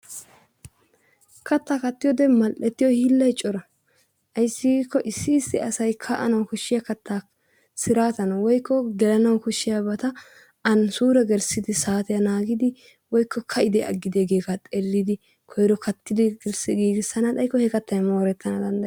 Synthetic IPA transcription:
kʰɐt̪ːaːkɐt̪ːɪjɔd̪ɛmɐlʔɛt̪ːɪjɔhɪlːɐjt͡ʃʼɔɾɐ | ʔɐjsːɪɡkːɔʔɪsːɪːst̪ɪ̰ɐsɐjkʰɐʔɐnɐwkʊʃːɪjakɐt̪ʰːaː | sɪɾaːt̪ɐnɐwɔjkʰːɔɡɛlɐnɐwkʊʃːɪjabɐt̪ɐ | ɐnsuːɾɛɡɛɾsɪd̪ɪsaːt̪ɛjɐnaːɡɪd̪ɪ | wɔjkːɔkʰɐɪd̪ɛʔɐ̰ɡːɪd̪eːɡeːɡat̪ʼɛlːɪd̪ɪ | kʰɔjɾɔkɐt̪ːɪd̪ɪɡɛɾsɛɡiːɡɪsːɐnɐt̪ɐjkːɔhɛkɐt̪ːɐjmo̞ːɾɛt̪ʰːɐnɐd̪ɐnd̪ɐj

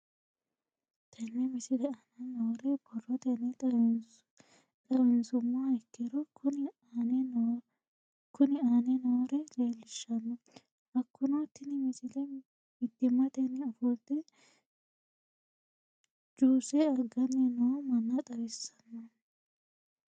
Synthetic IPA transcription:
t̪ʰɐnːɛmɪsɪlɛɐnɐnɐwɔɾɛbɔrɔt̪ɛnɛ | t̪ʼɐwɛnsʊmːaɛkːɛɾɔʊn | nɛn | kʊnɪaːnɛnɐwɔɾɛleːlːɪʃːɐnːɔ | ɐkːʊnot̪ːɪnɪmɪsɪlɛ | mɪd̪ːɪmːɐt̪ɛnːɛɔfɔlt̪ːɛ | d͡ʒuːsɛɐɡɐnːɛnɔwɔmɐnːɐt̪ʼɐɾɪsɐnːɐ

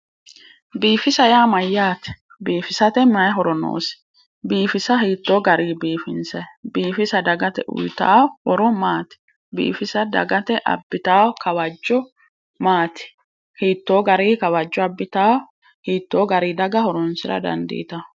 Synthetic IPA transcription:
biːfɪsɐjaːmɐjːaːt̪ɛ̥ | biːfɪsɐt̪ɛmɐjɦɔɾɔno̰ːsɪ̥ | biːfɪsɐhiːt̪ːoːɡɐɾiːbiːfɪnsɐbiːfɪsɐd̪ɐɡɐt̪ɛ̰ʔʊ̰jt̪a̰ːwhɔɾɔmaːt̪ɪ̥ | bḭːfɪsɐd̪ɐ̰ɡɐt̪ɛʔɐ̰bːɪt̪aːwɔkɐwɐd͡ʒːɔ | maːt̪ɪ̥ | hiːt̪ːoːɡɐɾiːkɐwɐd͡ʒːɔɐbːɪt̪aːwɔ | hiːt̪ːo̞ːɡɐɾiːd̪ɐɡɐhɔɾɔnsɪɾɐ̰d̪ɐ̰nd̪ɪ̰ːt̪ɐ

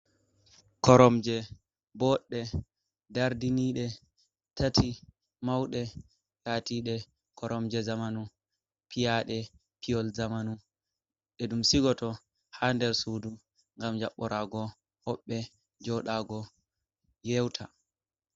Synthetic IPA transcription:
kɔɾɔmd͡ʒɛ | bɔɗːɛ | daɾdiniɗɛ | tʰatʰi | mawɗɛ | laːtiɗɛ | kʰɔɾɔmd͡ʒɛzamanu | pʰijaɗɛ | piɔlzamanu | ɗɛɗumsiɡɔtɔ | handɛɾsudu | ŋɡamd͡ʒa̰ɓːɔɾaːɡɔ | hɔɓːɛ | d͡ʒɔɗaːɡɔ | jewtʰa̰

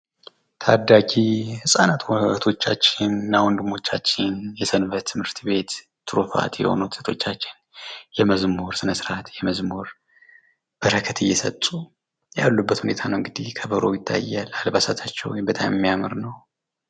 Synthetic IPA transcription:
t̪ʰad̪ːaɡihɨsʼanat̪ʰwt̪ʰo̞t͡ʃːat͡ʃːɪnːawɔnd̪ɨmo̞t͡ʃːat͡ʃːɪnjɛsʰɨnβət̪t̪ʰːɨmhɨɾt̪be̞t̪ | t̪ʰːɨɾufa̰t̪jɛ̰ho̞̰nut̪sə̥t̪ʰo̞t͡ʃːat͡ʃːɪn | jɛməzmoɾsɨnəsɨɾat̪jɛməzmoɾ | b̥əɾəkʰət̪ʰɨjːɛsə̰t̪ʼːu | jalːubːət̪hune̞t̪ʰanəwɨŋɡɨd̪ihkʰəβəɾojɪt̪ʰːa̰jːalalbasat̪ʰat͡ʃːɛ̰wjmbət̪ʼamjɛmːijamɨɾnəw

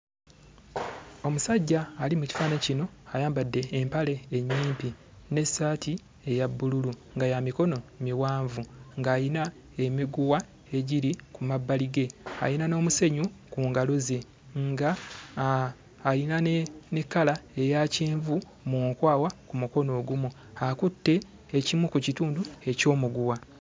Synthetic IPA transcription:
o̞musaɟːaːlimuci̥faːnecino̞ajaːmbadːe̞ːmpale̞ːɲːiːmpi | ne̞saːtʰi | e̞jabːululuŋɡajamiko̞no̞miwaːɱvuŋɡaːjina | e̞miɡuwa | e̞ɟiɾikumabːaliɡe̞a̰ɾinano̞ːmuse̞ɲukuːŋɡalo̞ze̞ | ŋɡa | linanne̞kːalae̞jaciːɱvu | muŋkwaːwakumuko̞no̞ːɡumu | akutːe̞ː | cimwukucituːndue̞co̞ːmuɡuwa

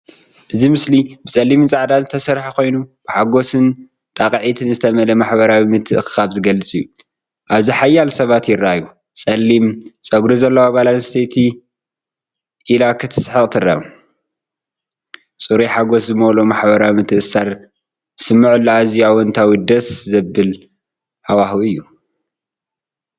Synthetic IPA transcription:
ʔɨzimɨslibɨt͡sʼɐlːimɨt͡sʼaʕd̪azɨt̪ʰɐsɐɾħako̞jnub̥ɨħaɡo̞sɨn | t̪ʼaqʼʕit̪ʰɨnzɨt̪ʰɐmɐlɐmaħbɐɾawimɨt̪ʰːɨʔxaβzɨɡɐlɨt͡sʼijːu | ʔaβziħajːalsɐβat̪jɪɾːaju | t͡sʼɐlːimt͡sʼɐɡɾuzɐlːɐwaβalanst̪ʰet̪ʰi | ʔilakʰɨt̪ʰɨ̥sħɨχʼt̪ʰɨra̰m | t͡sʼɨɾiħaɡo̞szɨmolomaħbɐɾawimɨt̪ʰɨʔsaɾ | sɨmːaʕɨlːaazijawɔnt̪ʰawid̪ɐszɐbːɨl | hawahuɨjːu

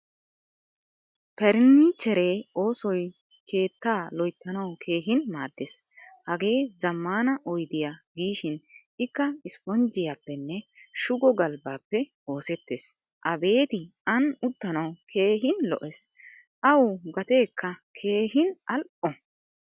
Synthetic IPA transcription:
pɛɾɪt͡ʃɛɾeːo̞ːsɔj | ke̞ːt̪ːaːlɔjt̪ːɐnɐwkʰe̞ːɦɪnmaːd̪ːeshɐɡe̞ːzɐmːaːnɐʔɔjd̪ɪjaɡiːʃɪn | ɪkːɐɪspɔnd͡ʒɪjaːpːɛnːɛʃʊɡɔɡɐlbaːpːɛ | o̞ːsɛt̪ːeːs | ʔɐbe̞ːt̪ɪɐnʊt̪ːɐnɐwkʰe̞ːɦɪnlɔ̰ʔɛs | ʔɐwʊɡɐt̪e̞ːkʰːɐkʰe̞ːhɪnɐlʔɔ

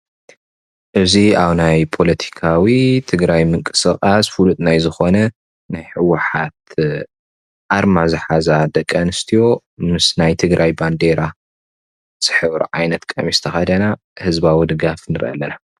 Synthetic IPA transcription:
ʔɨziaβnajpʰo̞lɐt̪ʰi̥kʰawit̪ʰɨɡɾajmɨŋkʼɨ̥sɨχʼasfulut̪ʼnajzɨxo̞nɐ | najħɨwːɨħat̪ | ʔaɾmazɨħazad̪ɐkʼːɐnɨst̪ʰijo̞ | mɨsnajt̪ʰɨɡɾʔajband̪e̞ɾʔa | z̥ɨħɨβɾ̰ʕajnɐt̪kʼɐ̰mist̪ʰɐxɐd̪ɐna | hɨzbawid̪ɨɡafnɨɾɨ̰ʔɐ̰lːɐna

